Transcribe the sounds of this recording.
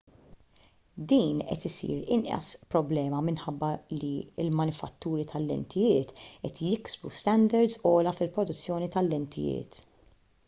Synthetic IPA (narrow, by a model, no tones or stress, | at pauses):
d̪iːnʔɛ̰t̪ɪsḭːɾɪnʔɐ̰spɾɔblɛːmɐmɪnħɐbːɐliɪ̰lmɐnɪfɐt̪ːuːɾit̪ʰɐlːɛ̰nt̪ʰɪjɪːt̪ʔɛt̪jɪksbust̪ɛnd̪ɐɾd̪zɔːlɐfɪlpɾɔd̪ʊt͡sːjɔːnit̪ɐlːɛnt̪ʰɪjɪ̰ːt̪